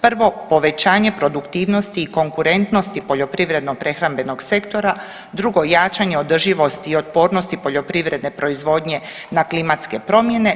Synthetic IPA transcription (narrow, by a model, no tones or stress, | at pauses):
pr̩ʋo̞po̞ʋe̞t͡ɕaːɲe̞pɾo̞d̪ukt̪iːʋno̞st̪iːko̞ŋkuɾe̞nt̪no̞st̪ipo̞ʎo̞pɾiʋɾe̞d̪nopɾe̞xɾambe̞no̞ɡse̞kt̪o̞ɾa | d̪ɾuɡo̞jaːt͡ʃaɲe̞o̞d̪rʒiʋo̞st̪iːo̞t̪̚po̞ːɾnost̪ipo̞ʎo̞pɾiʋɾe̞d̪ne̞pɾo̞izʋo̞ːd̪ɲe̞ | naklimat̪ske̞pɾo̞mje̞ne̞